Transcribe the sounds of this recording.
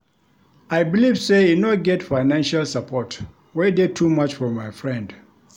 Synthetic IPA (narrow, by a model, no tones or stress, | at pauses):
aɪbilivseinɔɡɛtfaɪnãnʃalsapʰɔt | wɛdetʰumat͡ʃfɔ̃mːaɪfɹɛ̃nd